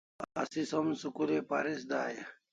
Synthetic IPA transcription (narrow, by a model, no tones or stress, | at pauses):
ɐ̰sisɐmsukulepa̰ɾis̬d̪aːjɐ